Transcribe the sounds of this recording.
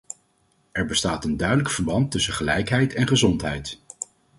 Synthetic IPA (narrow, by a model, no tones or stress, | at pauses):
ɛɹbəstaːtəndœɥdələkfəɹbɑntɵsəχəlɛjkɦɛjtɛnχəzɔntɦɛjt